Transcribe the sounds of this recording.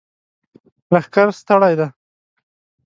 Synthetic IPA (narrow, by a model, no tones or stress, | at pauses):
ɾaxkaɾst̪aɽajd̪a